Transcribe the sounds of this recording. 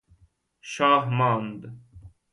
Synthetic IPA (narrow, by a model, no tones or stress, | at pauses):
ʃaːɦmãːnd̪